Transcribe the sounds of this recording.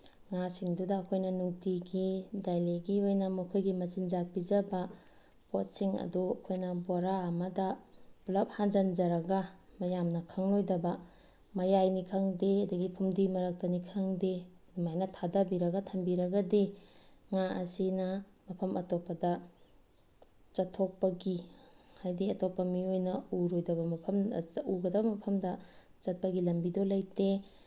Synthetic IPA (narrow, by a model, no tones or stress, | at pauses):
ŋasiŋdudɐːkʰojnɐnuŋtiɡidajleɡiojnɐmukʰojɡimɐzind͡ʒak̚bid͡ʒɐbɐ | pot̚siŋɐ̰duɐkʰojnɐboɾaːmɐdɐbulɐp̚hand͡ʒand͡ʒɐɾɐɡɐmɐjamnɐkʰaŋlojdɐbɐ | mɐjajnikʰaŋdeɐduɡipʰumdimɐɾɐk̚tɐnikʰaŋde | dmajnɐtʰadabiɾɐɡɐtʰɐmbiɾɐɡɐdi | ŋaɐ̰sinɐ | mɐpʰɐmʔɐtopɐdɐ | t͡ʃɐtʰːok̚pɐɡihajdiɐtopːɐmiojnɐuɾojdɐbɐmɐpʰɐmuɡɐdɐbɐmɐpʰɐmdɐ | t͡ʃɐt̚pɐɡilɐmbidolɐjte